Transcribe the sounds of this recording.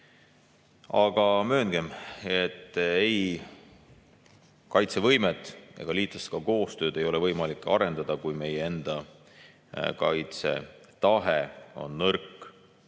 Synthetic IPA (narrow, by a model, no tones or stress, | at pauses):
ɑɡ̥ɑmø̞ːŋɡ̥e̞me̞t̪ːej | kɑjt̪se̞vɤ̞jmet̪ːˑḛɡ̥ɑliːt̪ːˑlɑst̪kɑko̞ːst̪ø̞ːd̪e̞jo̞lɛ̞vɤjmɑlikːˑɑ̰ɾe̞nd̪̥ɑd̪̥ɑkujme̞jee̞nd̪̥ɑ | kɑjt̪se̞̰t̪ɑɦeo̞̰nːɤrkːˑ